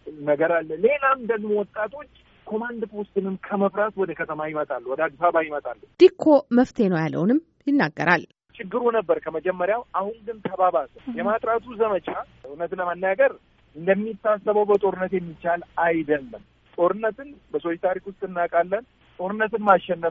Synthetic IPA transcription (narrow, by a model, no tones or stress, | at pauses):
nəɡəɾalːəle̞lamd̪əɡmo̞wɔt̪ʼːat̪ʰo̞t͡ʃː | kʰo̞mand̪pʰo̞st̪ɨnɨmkʰəməβɾat̪wɔd̪əkʰət̪ʰəmajɪmət̪ʼalːuwɔd̪əaɡ̪fabajɪmət̪ʼalːəd̪̥ikʰːo̞məft̪ʰe̞nəwjalːə̰wnɨm | jɪnːaɡːəɾa̰l | t͡ʃɪɡːɨɾunəbːəɾkʰəməd͡ʒɛmːəɾjawahunɡɨnt̪ʰəbaβat̪əjɛmat̪ʼɾat̪ʰuzəmət͡ʃa | nət̪nləmənːjaɡəɾ | ɨnd̪əmːit̪ːasːəβəwbət̪ʼo̞ɾɨnːət̪jɛmːit͡ʃalajd̪əlːəm | t̪ʼo̞ɾɨnːət̪ɨnbəsojt̪ʰaɾikwʊst̪ʼɨnːakʼalːən | t̪ʼo̞ɾɨnːət̪ɨnmaʃːɛnːəf